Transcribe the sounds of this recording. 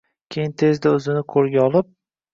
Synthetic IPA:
kʲʰejɪnt̪ʰe̞zd̪aɵzɪnɪkʰɵɾɡʲaɒlˠɪp̚

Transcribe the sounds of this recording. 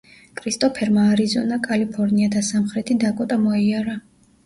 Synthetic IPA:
kʼɾist̪ʼɔpʰɛɾmaːɾizɔ̰nakʼalipʰɔɾniat̪ʰasamχɾɛt̪ʰid̪akʼɔt̪ʼamɔiaɾa

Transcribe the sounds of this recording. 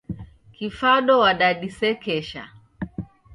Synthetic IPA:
kifaɗɔwaɗaɗisɛkɛʃa̰

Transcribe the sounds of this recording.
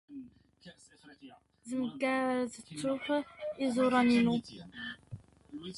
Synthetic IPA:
zəmɡæzt͡sːuħizuɾˤɑninu

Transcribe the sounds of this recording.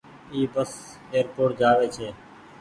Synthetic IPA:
iːbəs | eːəɾpoːʈ̚d͡ʒaːʋeːt͡ʃʰeː

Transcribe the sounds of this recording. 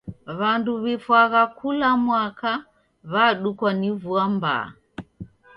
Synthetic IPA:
βanduβifwaɣakulamwaka | βaɗukwanivuamba̰

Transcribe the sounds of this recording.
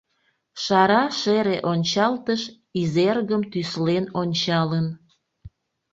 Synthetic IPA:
ʃɑɾɑʃeɾeʔonʲt͡ɕɑlt̪əʃ | izerɣəmt̪yslenonʲt͡ɕɑlən

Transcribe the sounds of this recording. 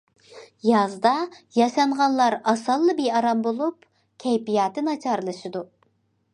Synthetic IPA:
jɑzd̪ɑjɑʃɑɴʁɑnlˠɑɾɑsɑlˠːɨbejɑɾɑmbolˠup | kʲʰɛjpijɑːt̪ʰɨnɑt͡ʃʰɑɾlˠɨʃɨd̪u

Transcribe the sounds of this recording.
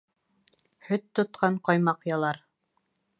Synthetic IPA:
hɵt̪ːŏt̪̚qɑɴqɑjmɑqjɑlˠɑɾ

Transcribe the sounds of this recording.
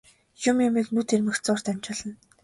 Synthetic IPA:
jʊmjʊmiːknuːt̪ʰermɘ̆kt͡sʊːr̥t̪æmʲt͡ɕɔ̆ɮə̆n

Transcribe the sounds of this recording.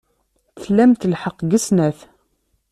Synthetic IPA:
θθlːæmt̪lħəqːɡəsnæθ

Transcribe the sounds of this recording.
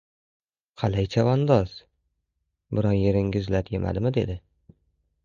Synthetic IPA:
qʰɑlajt͡ʃʰavɒnd̪ɒz̥ | bɪɾɒnjeɾɪŋʲɪzlaɾjemʔa̰d̪ɪmɪd̪e̞d̪ɪ

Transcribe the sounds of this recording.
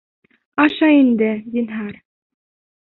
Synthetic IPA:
ɑʃɑind̪ɘd̪inɦɑɾ

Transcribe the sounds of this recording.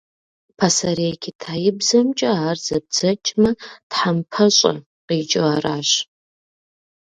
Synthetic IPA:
pʰasɐɾeːkʲʰitʰaːjɪbzɐmt͡ʃʼɐaːrz̥ɐb̚d͡zɐt͡ʃʼmɐtħampʰɐɕʼɐ̰ | qiːt͡ʃʼoaːraːɕ

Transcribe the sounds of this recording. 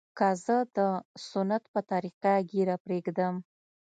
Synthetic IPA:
kazəd̪əsʊnat̪pət̪aɾiqaɡeɾapɾeɡd̪əm

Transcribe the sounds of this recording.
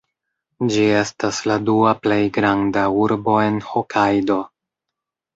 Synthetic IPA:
d͡ʒie̞stasladuaple̞jɡɾandauɾbo̞e̞nhokʰajdo̞

